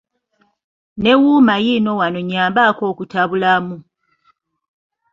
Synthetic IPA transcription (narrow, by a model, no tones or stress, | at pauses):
ne̞wuːmajino̞wano̞ɲaːmbako̞ːkutaβulamu